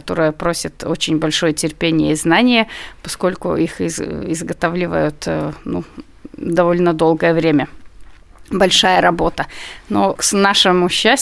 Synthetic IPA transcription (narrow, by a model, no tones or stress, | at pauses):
ɐt̪o̞ɾəjəpɾo̞sʲɪt̪o̞t͡ɕɪnʲbɐlʲʂo̞jətʲɪrpʲenʲɪjəznanʲɪjəpɐsko̞lʲkʊ̰ixɪzɪzɡɐt̪avlʲɪvə̰jʊt̪nṵ | d̪ɐvo̞lʲnəd̪o̞lˠɡəjəvɾʲemʲə | bɐlʲʂajəɾɐbo̞t̪ənosnaʂɨmʊɕːæsʲ